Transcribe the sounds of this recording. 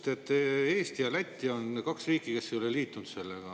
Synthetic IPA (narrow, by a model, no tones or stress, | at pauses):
t̪e̞t̪ːˑeːst̪iɑlæt̪ʲːio̞nkɑksriːkːˑike̞sːejo̞leliːt̪ːˑunt̪se̞lːeɡ̥ɑ